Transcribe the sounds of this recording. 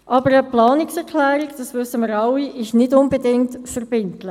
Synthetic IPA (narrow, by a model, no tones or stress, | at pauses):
ʔɑbəɾəplɑːnɪksɛɾkʰlæːɾikd̥ɑsʋʏsəməɾɑwiʔɪʃnɪdʊnbedɪŋtfəɾb̥ɪntlə